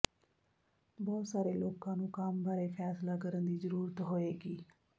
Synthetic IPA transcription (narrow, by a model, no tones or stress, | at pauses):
bɔːt̪saːɾeːloːkãːnũːkambaːɾeːpʰɛːslaːkəɾənd̪iːzəɾuːɾət̪ɦoːeːɡiː